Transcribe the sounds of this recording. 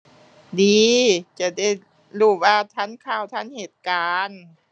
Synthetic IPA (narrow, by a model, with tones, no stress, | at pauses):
diː˨˧˦t͡ɕa˧˩da˧˥˩j | luː˧˩waː˧t̪ʰa˧˥˨nkʰaː˧˩˨wt̪ʰa˧˥˨nheː˨˩t̪̚kaː˧n